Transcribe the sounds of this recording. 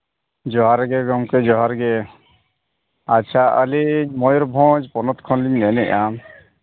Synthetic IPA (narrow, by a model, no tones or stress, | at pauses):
d͡ʒɔɦaɾɡɛɡɔŋked͡ʒɔɦaɾɡe | aʃʰaʔəlimɔjɔɾbʱɔ̃d͡ʒpɔnɔt̪kʰɔnliɲnɛnɛ̰ʔa